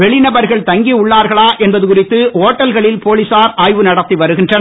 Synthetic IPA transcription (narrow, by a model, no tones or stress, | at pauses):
ɛɭɪnɐbɐɾɣɐɭt̪ɐŋɡiʊɭːaːɾɣɐɭaːʔɛnbɐðɯkʊrɪt̪ːɯoːʈːɐlɣɐɭɪlpoːlɪsaːɾʔaːjʋɯnɐɽɐt̪ːiʋɐɾɯɣɪndrɐn